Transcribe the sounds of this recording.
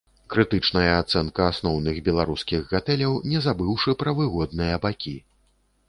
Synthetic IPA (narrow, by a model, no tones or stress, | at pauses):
kɾɨt̪ɨt͡ʂnɐjɐat̪sɛnkɐasnɔwnɨɣbʲɛlˠaɾuskʲiɣɣat̪ɛlʲɐwnʲɛzabɨwʂɨpɾɐvɨɣɔd̪nɨjɐbakʲi